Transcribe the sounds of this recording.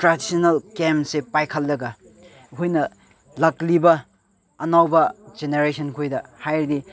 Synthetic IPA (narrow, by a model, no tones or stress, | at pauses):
tɾadisonɐlkemsepajkʰɐlːɐɡɐ | ɦojnɐ | lɐklibɐː | nawbɐd͡ʒeneɾesʰɐnkʰojdɐhajɾdi